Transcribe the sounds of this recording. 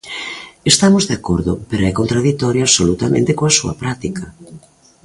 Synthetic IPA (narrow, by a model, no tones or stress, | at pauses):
est̪amozðeakoɾðʊpeɾoɛkont̪ɾaðit̪ɔɾjoaβsolut̪amḛ̃nt̪ekoasuɐ̰pɾat̪ikɐ